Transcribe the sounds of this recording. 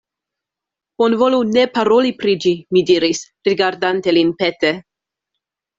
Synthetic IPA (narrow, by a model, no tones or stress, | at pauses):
bonvo̞lune̞paɾolipɾid͡ʒimidiɾis | ɾiɡaɾdantelinpet̪e